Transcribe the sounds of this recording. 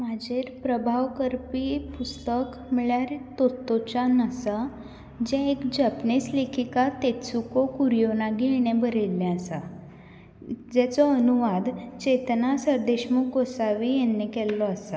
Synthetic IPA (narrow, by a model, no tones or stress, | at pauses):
mad͡ʑʱeɾpɾəbʱaʋkəɾpipust̪ək | miɭjaɾet̪ot̪ːot͡ɕanəsa | d͡ʑɛ̃ekd͡ʑəpnislekʰikat̪et͡sukokuɾijonaɡieɽ̃ebəɾelːɛ̃asa | d͡ʑɛt͡sɔənuʋad̪t͡ɕet̪nasəɾd̪eɕmukɡosaʋijɛnːekɛlːɔəsa